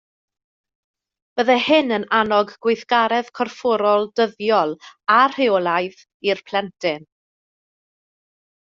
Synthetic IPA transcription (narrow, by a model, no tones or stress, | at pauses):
b̥əðɛhɪnənanɔɡɡwɪjθɡ̥aɾɛð̥kʰɔrfɔɾɔlˠdəðjɔlˠar̥ɪɔlˠajð | irpʰl̥ɛntʰɪn